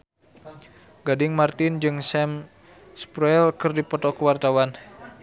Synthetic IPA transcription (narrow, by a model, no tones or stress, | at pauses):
ɡadɪŋmart̪ɪnd͡ʒɨŋsɛm | spɾɛlkɨrdipɔt̪ɔkəwart̪awan